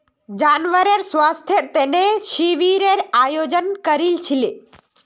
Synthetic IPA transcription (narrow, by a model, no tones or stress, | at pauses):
d͡ʒaːnʋəɾeɾsʋaːst̪ʰjeɾt̪eneʃiʋiɾeɾaːjoːd͡ʒənkəɾilt͡ʃʰile